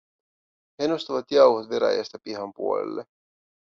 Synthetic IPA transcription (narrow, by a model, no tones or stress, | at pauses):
henost̪oʋɑt̪jɑwhot̪ʋeɾæ̰jæ̰st̪æpiɦɑmpuolḛlːe